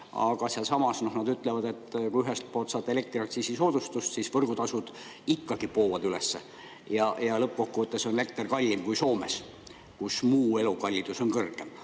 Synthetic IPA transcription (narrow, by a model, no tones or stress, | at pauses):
ɑ̰ɡ̥ɑseɑlsɑmɑsno̞hnɑd̪yt̪ːˑle̞vɑd̪e̞t̪ːkujyɦest̪̚poːlt̪sɑːt̪ːˑele̞k̚t̪riɑkt̪sisiso̞ːd̪̥ust̪ust̪sisvɤrɡ̥ut̪ɑsud̪̥ | ikːɑɡ̥ipo̞ːvɑd̪̥yle̞sːe | jɑjɑlɤp̚ːko̞kːuvɤt̪ːˑeso̞nele̞k̚t̪erkɑlʲːimkujso̞ːmes | kusmuːe̞lukɑlʲːid̪̥uso̞nkɤrɡe̞m